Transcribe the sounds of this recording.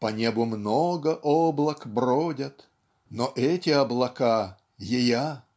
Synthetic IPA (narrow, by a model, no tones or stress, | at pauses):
pɐnʲebʊmnoɡəʔoblˠəkbɾodʲət̪ | noʔɛtʲɪɐblˠɐka | jɪja